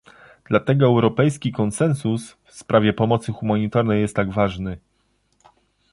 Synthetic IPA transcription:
d̪̥lat̪ɛɡɔɛwɾɔpɛjskʲikɔnsɛnsusfspɾʔavʲɛpɔmɔt̪sɘxumaɲit̪aɾnɛjɛst̪ːaɡvaʐnɘ

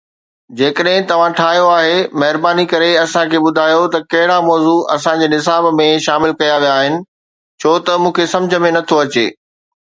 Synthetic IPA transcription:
d͡ʑeːkəɗɦɪ̃t̪ɐʋ̤ãʈʰaːɦijoaːɦemɐɦɪɾbaːnikɐɾeɐsãkʰeːɓʊd̪ʱaːjot̪ɐkɐɦɪɽamɔːzuɐsãd͡ʑeːnɪs̬aːbmẽʃaːmɪlkɐjaʋijaːɦɪnɪ̆ | t͡ɕʰoːt̪ɐmũːkʰesɐ̃md͡ʑʱə̆mẽnɐt̪ʰoɐt͡ɕḛː

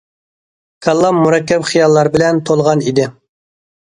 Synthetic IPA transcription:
kʰɑlˠːɑmmːuɾɛkʲːɛpχijɑlˠːɑɾbɪlɛnt̪ʰolˠʁɑnid̪ɪ

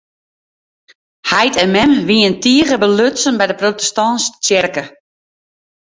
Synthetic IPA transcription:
hajtʰɛnmɛmʋiəntiəɣəbəløsənbɛjdəprotɛstɔnst͡ʃjɛrkə

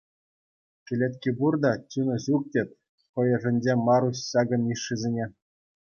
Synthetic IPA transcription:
ʂɘlʲet̪ʲkʲiburd̪ɑt͡ɕʲunɤ̆ʑuk̚tʲetʲ | χɤ̆jɤ̆ʐɘ̆nʲd͡ʑemɑɾuɕɕɑɡɤ̆niʂːizʲenʲe

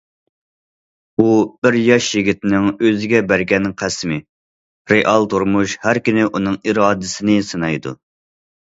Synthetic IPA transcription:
ub̥ɪɾjɑʃjiɡʲit̪ɪnɪŋøzɪɡʲɛbæɾɡʲɛnqʰæsmɪ | ɾeʔɑlˠt̪ʰuɾmuʃhæɾkʲynɪʔunɨŋiɾɑːd̪ɪsɪnɪsɨnɑjd̪ṵ

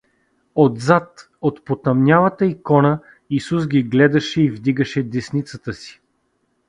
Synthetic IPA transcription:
od̪zat̪ | ot̪pot̪ɐmnʲavət̪əikɔnə | isus̬ɡʲiɡlɛd̪ɐʃɛivd̪iɡəʃɛd̪ɛsnit̪sət̪əsi̥

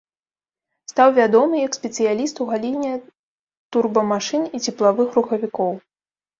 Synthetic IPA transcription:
st̪awvʲad̪ɔmɨjɐkspʲɛt̪sɨjalʲist̪uwɣalʲinʲɛ | t̪urbɐmaʂɨnit͡sʲɛplˠavɨxruxɐvʲikɔw

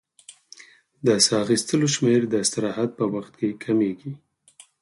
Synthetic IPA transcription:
d̪əsɑɣist̪əloʃmeɾd̪əsaɾɑɦat̪̚pəwaxt̪̚kekʰameɡi

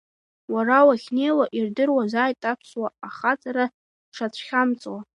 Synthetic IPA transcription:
waɾawaχʲnejwaʔirdɨrwazaːjtʼapʰswaaχat͡sʼaɾa | ʂat͡sʷʰχʲamt͡sʼwa

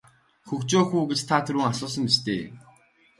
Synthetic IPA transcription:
xɵkt͡ɕoːxuːɡet͡ɕt̪ʰat̪ʰɵɾuːŋasʊːs̬ə̆mpist̪ʰeː

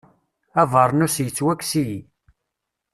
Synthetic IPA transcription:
ævəɾˤnʊsjət͡sːwækːsiji

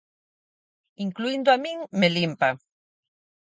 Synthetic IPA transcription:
iŋkluind̪oamiŋmelimpa

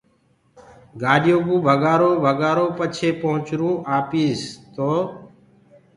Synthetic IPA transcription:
ɡaːɗjoːɡũːbʱəɡaːɾoːbʱəɡaːɾoːpət͡ʃʰeːpəɦʊ̃t͡ʃɾũːʔaːpiːzt̪oː

